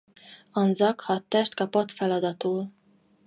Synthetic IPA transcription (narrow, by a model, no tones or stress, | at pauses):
ɒnzɒkhɒt̪ːɛʃt̪kɒpo̞t̪fɛlɒd̪ɒt̪oː